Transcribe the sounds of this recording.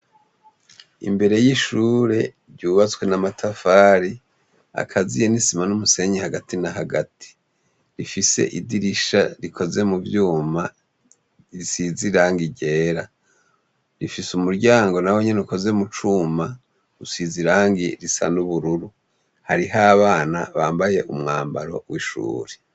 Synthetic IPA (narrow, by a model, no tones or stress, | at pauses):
ḭmbe̞ɾe̞jiʃuːɾe̞ | ɾɟuːβat͡swe̞namatʰafaːɾi | a̰kʰazijenisimanumuse̞ɲihaɡatinaɦaɡatʰi̥ | ɾifise̞̰ʔidiɾiʃaɾikʰo̞ze̞muvjuːma | isiziɾaːŋɡiɟe̞ːɾa | ɾifisumuɾɟaːŋɡo̞naweɲenuko̞ze̞mut͡ʃuma | usiziɾaːŋɡiɾisa̰nuβuɾuɾu | haɾiɦaːβaːnaβaːmbaje̞ʔumŋaːmbaɾo̞̰wiʃṵːɾe